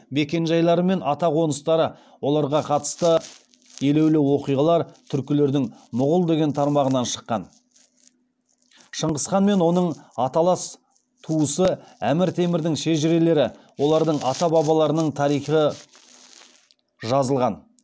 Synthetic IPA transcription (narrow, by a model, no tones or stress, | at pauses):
be̞kʲe̞nʒɑjlˠɑɾəme̞nɑt̪ɑqʰo̞nəst̪ɑɾə | wo̞lˠɑɾʁɑqʰɑt̪ə̥st̪ə | ele̞wlɪwo̞qijʁɑlˠɑɾt̪ʰʏɾkʲɪle̞ɾd̪ɪŋmʊʁʊlˠd̪e̞ɡʲe̞nt̪ʰɑɾmɑʁənɑnʃə̥qːɑ̰n | ʃəɴʁəsqɑnme̞nwo̞nəɴɑt̪ɑlˠɑs | t̪ʰuəsəæmɪɾt̪ʰe̞mɪɾd̪ɪŋʃeʒɪɾe̞le̞ɾɪ | wo̞lˠɑɾd̪əɴɑt̪ɑbɑβɑlˠɑɾənəɴt̪ʰɑɾijχə | ʒɑzəlˠʁɑn